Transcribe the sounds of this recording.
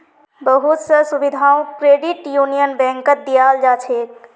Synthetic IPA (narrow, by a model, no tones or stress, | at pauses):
bəɦut̪səsubid̪ʱaũkɾeɖiʈjunijənbɛ̃ŋkət̪̚d̪ijald͡ʒat͡ʃʰet̪